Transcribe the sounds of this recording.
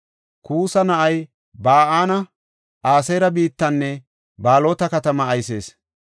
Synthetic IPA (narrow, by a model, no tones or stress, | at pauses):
kuːsɐnɐʔɐj | baːʔaːnɐ | ʔaːsɐjɾɐbiːt̪ːɐnːɛ | baːlo̞ːt̪ɐkɐt̪ɐmɐːjse̞ːs